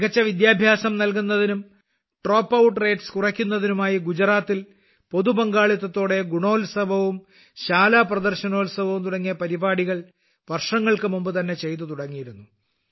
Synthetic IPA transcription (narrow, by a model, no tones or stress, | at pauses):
kɐt͡ɕːɐʋid̪jaːbʱjaːsɐmnɐlk̬unːɐðinum | ʈro̞ːpːɐwuʈːre̞ːʈskurɐkʲːunːɐðinumaːjiɡud͡ʑɐɾaːt̪ːil | po̞ðubɐŋɡaːɭit̪ːɐt̪ːo̞ːɽe̞ɡuɳo̞ːlsɐbʱɐʋum | ɕaːlaːprɐd̪ɐrɕɐno̞ːlsɐbʱɐʋumt̪uɽɐŋːijɐpɐɾibaːɽiɣɐɭ | ʋɐrʂɐŋːɐɭkɨmumbɨt̪ɐnːe̞t͡ɕe̞jt̪̬ːut̪uɽɐŋːijiɾunːu